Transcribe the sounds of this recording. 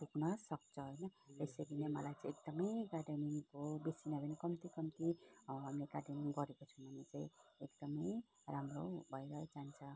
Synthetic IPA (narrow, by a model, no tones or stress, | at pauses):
puknʌsʌk̚t͡sʰʌɦojnʌt̪esʌɡinemʌlajt͡sãekd̪ʌmʌjkaɖeniŋkobesinʌbʱʌnʌkʌmt̪ikʌmt̪iɦamlekaɖeniŋɡʌɾekot͡sʰumʱʌnet͡saĩekd̪ʌmʌj | ramro̰bʱʌjɾʌd͡zant͡sʰʌ